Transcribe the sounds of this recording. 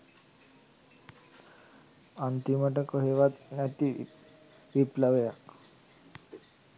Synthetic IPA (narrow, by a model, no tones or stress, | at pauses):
ant̪imaʈəkɔɦeʋat̪nat̪i | ʋiplaʋjak